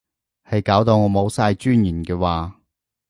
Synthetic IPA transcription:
hɐ˨jkaː˨˥wt̪o˧wŋɔː˨˧mo˨˧wsaː˧jt͡ʃyː˥njiː˨˩nkɛː˧waː˨˧

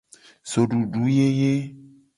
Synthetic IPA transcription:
so˨ɖu˨ɖu˨˦je˦je˦

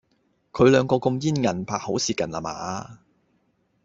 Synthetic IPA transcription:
kʰɵ˨˧ɥlœː˨˧ŋkɔː˧kʊ˧mjiː˥nŋɐ˨˩npʰaː˨k̚ho˨˥wsiː˨kɐ˨nla̰ː˨˩ma̰ː˨˩aː˧

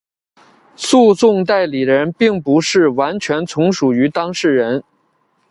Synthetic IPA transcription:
su˥˧t͡sʊ˥˧ŋt̪̬a˥˩ɪli˨˩d̪əə˧˥npi˥˩ŋpu˧˥ʂɻ̩˥˩wa˧˥nt͡ɕʰɥɛ˧˥nt͡sʰʊ˧˥ŋʂu˨˩y˧˥t̪ɑ˥ŋʂɻ̩˥˩ɻə˧˥n

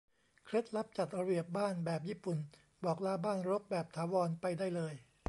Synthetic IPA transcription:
kʰɾe˦˥t̪̚la˦˥p̚t͡ɕa˨˩t̪̚ɾa˧bi˨˩əp̚baː˥˩nbɛː˨˩p̚jiː˥˩pu˨˩n | bɔː˨˩k̚laː˧˥baː˥˩nɾo˦˥p̚bɛː˨˩p̚t̪ʰaː˩˦wɔː˧npa˧jdaː˥˩jlɤː˧j

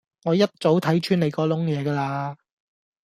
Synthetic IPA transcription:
ŋɔː˨˧jɐ˥t̚t͡so˨˥wt̪ʰɐ˨˥jt͡ʃʰyː˥nle˨˧jkɔː˨˧lʊ˥ŋjɛː˨˧kaː˧laː˧

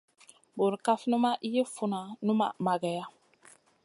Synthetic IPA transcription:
bo˨ɾka˦fnũ˦ma˦ʔi˦je˦fu˦na˨nũ˦ma̰˨ma˨ɡa˨ja˦

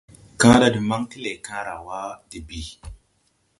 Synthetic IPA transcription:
kã˦da˦di˨ma˦ŋti˦le˨kã˦ɾa˨wa˦di˨bi˨

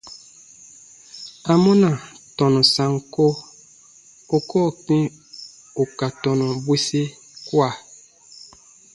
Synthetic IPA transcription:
a˨mɔ˦na˨tɔ˨nɔ˨sa˨ŋ˨ko˦ | o˨kɔ˦˨kĩ˦ | o˨ka˨tɔ˨nɔ˨bwi˦si˦ | kwa˦˨

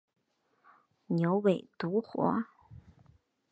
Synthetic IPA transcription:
njo˧˥ʊwe˨˩ɪt̪u˧˥xwɔ̰˧˥

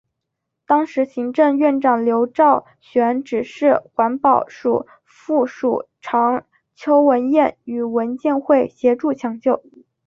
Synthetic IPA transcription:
t̪ɑ˥ŋʂɻ̩˧˥ɕi˧˥ŋʈ͡ʂə˥˧ŋɥɛ˥˩nʈ͡ʂɑ˨˩ŋljo˧˥ʊʈ͡ʂɑ˥˩ʊ | ɕɥɛ˧˥nʈ͡ʂɻ̩˨˩ʂɻ̩˥˩xwa˧˥npɑ˨˩ʊʂu˨˩ | fu˥˩ʂu˨˩ | ʈ͡ʂʰɑ˧˥ŋ | t͡ɕʰjo˥ʊwə˧˥njɛ˥˩ny˨˩wə˧˥nt͡ɕjɛ˥˧nxwe˥˩ɪɕjɛ˧˥ʈ͡ʂu˥˩t͡ɕʰjɑ˧˥ŋt͡ɕjo˥˩ʊ

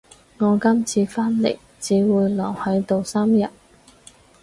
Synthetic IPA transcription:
ŋɔː˨˧kɐ˥mt͡sʰiː˧faː˥nlḛ˨˩j | t͡siː˨˥wuː˨˧jlɔː˨˩ŋhɐ˨˥jt̪o˨˧wsaː˥mjɐ˨t̚

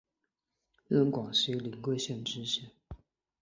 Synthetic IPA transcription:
ɻə˥˩nkwɑ˨˩ŋʂi˧˥li˨˧˥ŋkwe˥˧ɪɕjɛ˥˩nʈ͡ʂɻ̩˥ɕjɛ˥˩n

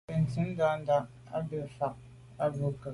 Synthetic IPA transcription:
e˨n̩˨ti˨˦n˦da˨˦n̩˦da˦ʔ | a̰˦bə˨fa˨k̚ | a˦bu˨˦kə˨

